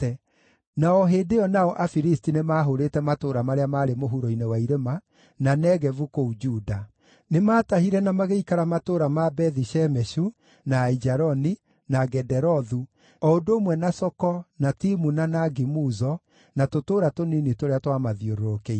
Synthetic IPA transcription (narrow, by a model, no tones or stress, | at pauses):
ɛ | naɔɦeːdeɔnaɔʔafiɾistinemaːɦoɾetɛmatoːɾamaɾeamaːɾemoɦuɾoinewaiɾema | nanɛɣɛvukoud͡ʒuda | nemaːtahiɾɛnamaɣeikaɾamatoːɾamabɛðiʃɛmɛʃu | naid͡ʒaɾɔni | naɡɛdɛɾɔðu | ɔondoːmwɛnasɔkɔnatimunanaɡimuzɔ | natotoːɾatoninitoɾeatwamaðioɾoɾokei